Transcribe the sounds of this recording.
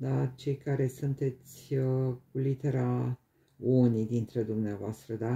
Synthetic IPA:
d̪at͡ʃe̞jkaɾe̞sunt̪e̞t̪sʲkulit̪e̞ɾa | unijd̪int̪ɾed̪umneavoast̪ɾəd̪a

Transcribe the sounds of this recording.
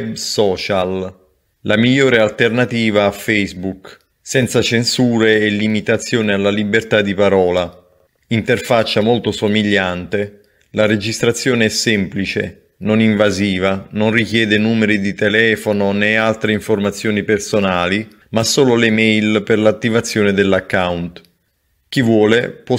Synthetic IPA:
ɛbsɔːt͡ʃal | lamiʎːoːɾealt̪ernat̪iːvaːfɛjzbuk | sɛnt̪sat͡ʃensuːɾeːlːimit̪at̪sːjoːnealːalibːert̪ad̪ipaɾɔːla | int̪erfat͡ʃːamolt̪osomiʎːant̪e | laɾed͡ʒist̪ɾat̪sːjoːneɛsːɛmplit͡ʃḛ | noniɱvaziːvanonrikjɛːd̪enuːmeɾid̪it̪ɛlɛːfononɛalt̪ɾeiɱformat̪sːjoːnipersonaːli | masːoːlolemɛjlperlat̪ːivat̪sːjoːned̪elːakːawnt̪ | k̟ivwɔːlepwɔ

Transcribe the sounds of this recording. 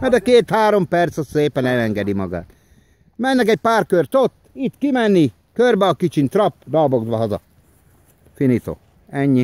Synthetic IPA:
hɒd̪ɛkeːt̪haːɾo̞mpɛrt̪soseːpɛnɛlɛŋɡɛd̪imɒɡa̰ːt̪ | mɛnːɛkɛc̚paːrkørt̪ot̪ːit̪kimɛnːi | kørbɛɒkit͡ʃint̪rɒpːd̪ɒlboɡzʋɒɦɒzɒ̰ | finit̪o̰ | ɛɲːi

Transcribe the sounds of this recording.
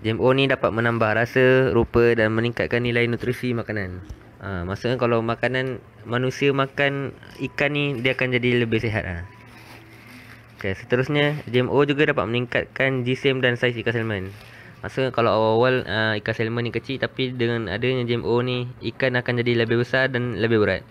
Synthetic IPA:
d͡ʒɛmonidapat̪̚mənãmbahrasəɾupədanməniŋkat̪̚kanːilainut̪ɾisimakanan | əmasuʔ̚ɲkalawmakanan | manusiəmakan | ikanːidiaakand͡ʒadiləbɪhseɦa̰t̪̚la̰h | okesət̪əɾʊsɲad͡ʒiɛmʔod͡ʒuɡadapa̰t̪̚məniŋkat̪̚kand͡ʒisɛmdansajsikasɛlmən | ma̰sukakalawawawaləikasɛlmənikət͡ʃit̪apidəŋana̰dəɲad͡ʒiɛmʔoniikanakand͡ʒadiləbɪhbəsardanləbɪhbəɾa̰t̪̚

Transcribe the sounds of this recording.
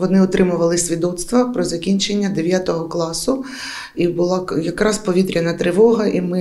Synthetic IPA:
ʋɔnɪʊt̪ɾɪmʊʋɐlˠɪsʲʋʲid̪ɔt̪st̪ʋɐpɾɔzɐkʲinʲt͡ʃenʲːɐd̪eʋʲjat̪ɔɦɔklˠɑsʊ | ibʊlˠɑjɐkɾɑspɔʋʲit̪ɾʲɐnɐt̪ɾɪʋɔɦɐʔimɪ

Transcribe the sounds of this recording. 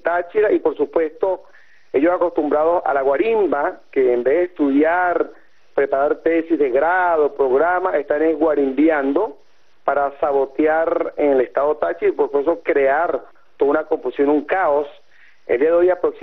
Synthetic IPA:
t̪at͡ʃiɾaipo̞ɾsupwe̞st̪o | e̞ʝosako̞st̪umbɾað̞o̞sa̰laɣwaɾimbakeːmbeðest̪uðjaɾ | pɾe̞paɾaɾt̪esizðeɣɾaðopɾo̞ɣɾamaʔest̪aneɣwaɾimbjand̪o̞ | paɾasaβo̞t̪jaɾeŋelest̪aðot̪at͡ʃiɾapoɾsu̥pwest̪okɾe̞aɾ | t̪oðounako̞ɱfusjo̞nuŋkaos | ḛld̪iaðeojapɾo̞ksi

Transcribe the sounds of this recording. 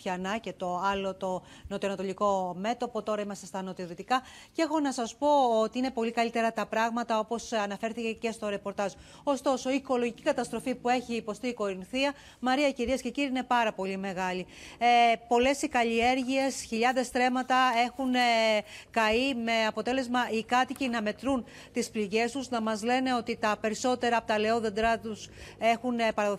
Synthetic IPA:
çɐnɐce̞t̪o̞ɐlo̞t̪o | not̪oɐnɐt̪o̞liko̞me̞t̪o̞po̞t̪o̞ɾɐimɐst̪est̪ɐnot̪iðot̪ikɐ | ce̞xo̞nɐsɐspo̞ot̪iine̞po̞likɐlit̪e̞ɾɐt̪ɐpɾɐɣmɐt̪ɐo̞po̞sɐnɐfe̞ɾθice̞ce̞st̪o̞ɾe̞po̞ɾt̪ɐz | o̞st̪o̞so̞iːko̞loʝicikɐt̪ɐst̪ɾo̞fipue̞çiːpo̞st̪iːko̞ɾinθiɐ | mɐɾiɐiciɾiɐsce̞ciɾiine̞pɐɾɐpo̞lime̞ɣɐli | po̞le̞sikɐʎie̞ɾʝie̞sçiʎɐðe̞st̪ɾe̞mɐt̪ɐe̞xun | kɐime̞ɐpo̞t̪e̞le̞zmɐʔikɐt̪icinɐme̞t̪ɾun | t̪ispliʝe̞st̪uznɐmɐzle̞ne̞o̞t̪it̪ɐpe̞ɾiso̞t̪e̞ɾɐpot̪ɐle̞oðe̞nd̪ɾɐt̪use̞xunpɐɾɐðo

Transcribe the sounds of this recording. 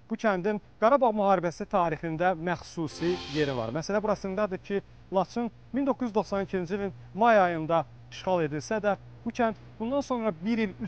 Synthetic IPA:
b̥ucʰænd̪inɡ̥ɑɾɑbɑʁmyɦɑːɾibæsit̪ʰɑːɾiχind̪æmæxsusije̞ɾivɑ̰ɾmæsælæbuɾɑsɯnd̪ɑd̪ɯɾcʰi | lˠɑt͡ʃʰɯn | mind̪o̞kʰːuzyzd̪o̞χsɑnicʰind͡ʒilʲin | mɑjɑjɯnd̪ɑ | iʃχɑlˠe̞d̪ilsæd̪æ | b̥ucʰænd̪ | bund̪ɑnso̞nɾɑbiɾily

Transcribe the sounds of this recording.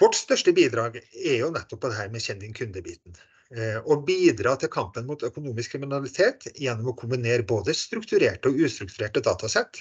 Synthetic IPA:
ʋɔʈst̪œʂʈəbiːd̪ɾɑːɡɛɾjʊnɛt̪ːɔpʰːɔd̪ɛɦæːɾmɛɕɛnd̪ɪŋkʰʉnd̪əbiːt̪n̩ | ɔbiːd̪ɾɑːt̪ʰɪlkʰɑmpənmʊt̪œkʊnuːmɪskʰːɾɪmɪnɑlɪt̪ʰeːt̪jɛnːɔmɔkʰʊmbɪneːɾboːd̪əst̪ɾʉkt̪ʉɾeːʈəɔʉːst̪ɾʉkt̪ʉɾeːʈəd̪ɑːt̪ɑsɛt̪ː

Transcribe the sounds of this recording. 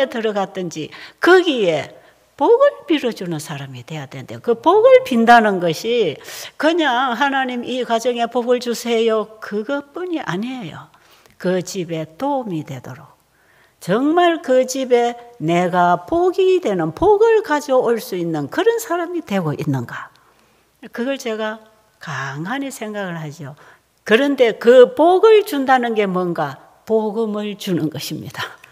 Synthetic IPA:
etɯɾʌɡatt͈ɯnd͡ʑikɯɡie̞ | poɡɯɭpiɾʌd͡ʑunɯnsʰaɾamidwe̞jad̥̪endejokɯpoɡɯɭpindanɯnɡʌɕʰikɯɲaŋɦanaɲimikwad͡ʑʌŋe̞poɡɯɭd͡ʑusʰe̞jokɯɡʌp͈uɲiʔa̰ɲejo̰ | kɯt͡ɕibe̞tomidwe̞doɾok̚ | t͡ɕʌŋmaɭkɯt͡ɕibe̞ne̞ɡapoɡide̞nɯnpoɡɯɭkad͡ʑooɭs͈uinːɯnkɯɾʌnsʰaɾamidwe̞ɡoʔinːɯnɡa | kɯɡʌɭt͡ɕe̞ɡa | kaŋanisʰe̞ŋɡaɣɯɭhad͡ʑio | kɯɾʌnde̞kɯpoɡɯɭt͡ɕundanɯnɡe̞mwʌnɡa | poɡɯmɯɭt͡ɕunɯnɡʌɕʰimɲḭd̥a

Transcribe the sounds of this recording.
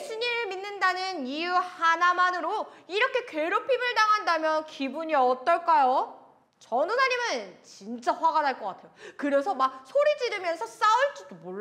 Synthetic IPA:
eɕʰiɲiɾɯɭminːɯndanɯnijuhanamanɯɾoiɾʌkʰe̞kweɾopʰimɯɭnaŋɦandamjʌnkibuɲiʌt͈ʌɭk͈ajo | t͡ɕʌnunaɲimɯnt͡ɕint͡ɕ͈aɸwaɡanaɭk͈ʌk͈atʰe̞jokɯɾe̞sʰʌmak̚sʰoɾid͡ʑiɾɯmjʌnsʰʌs͈auɭt͡ɕ͈id̥omoɭ

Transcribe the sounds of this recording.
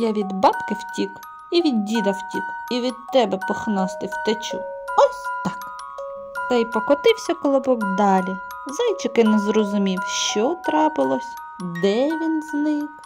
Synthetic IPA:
jaʋʲid̪bɑt̪kɪwtʲik | iʋʲidʲːid̪ɐwtʲikiʋʲid̪̚t̪ːɛbɛpɔxnɑst̪ɪwt̪et͡ʃuɔsʲt̪ɑk | t̪ɐjpɔkɔt̪ɪwsʲɐkɔlˠɔbɔkd̪ɑlʲi | zɑjt͡ʃɪkɪnɛzɾɔzʊmʲiwʃt͡ʃɔt̪ɾɑpɪlˠɔsʲ | d̪ɛʋʲinznɪk

